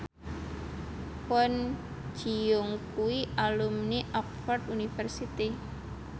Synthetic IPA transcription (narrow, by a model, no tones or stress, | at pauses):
ɔn̥ | d͡ʒ̥ijʊŋkuwialumniʔɔk̚fɔrd̪unifərsit̪i